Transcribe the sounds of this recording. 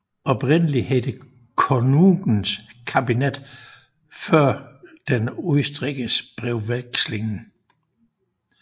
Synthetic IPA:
ɒ̽b̥ʁen̰əlihed̥ə | kʰonuɡ̥n̩skʰæb̥ined̥ | fɶɐ̰d̥enusd̥ʁiɡ̥əsb̥ʁɛʊʋelɡ̥sle̝ŋn̩

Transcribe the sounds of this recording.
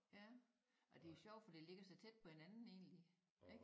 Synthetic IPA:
jæ | ʔɒ̽d̥e̝o̝ɕɒʊ̰̥fɒd̥ile̝ɡ̥ɐsɑ̈ɪt͡sʰed̥̚pʰɒ̽he̝nænn̩e̝̰ːnli | eɡ̥

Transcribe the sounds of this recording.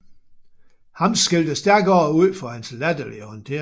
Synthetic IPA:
hɑ̈msɡ̥eld̥əsd̥æɐɡ̥ɒːuð̰ˠfɒ̽hænslæd̥ɐlihɒnt͡sʰe̝ɐ

